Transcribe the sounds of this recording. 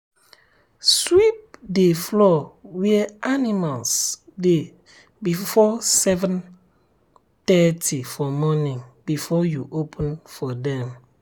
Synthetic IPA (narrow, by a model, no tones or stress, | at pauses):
swip̚deflɔwiɛanimalsde | bifɔsɛvə̃n | tɛtʰifɔmɔnĩŋbifɔjuʔopʰə̃nfɔdɛ̃m